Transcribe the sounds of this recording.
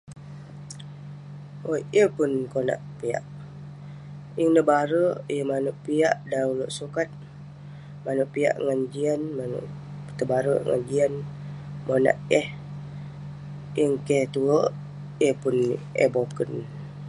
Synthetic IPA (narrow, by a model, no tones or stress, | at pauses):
ʔoəpunkona̰ʔpia̰ʔ | iŋnəbaɾəjəmanuʔpia̰ʔdauloʔsukat̪̚ | manʊʔpia̰ʔŋand͡ʒianmanṵʔ | t̪əbaɾəŋa̰nd͡ʒianmona̰ʔɛh | ʔiŋkɛt̪uə | əpʊnḛbokən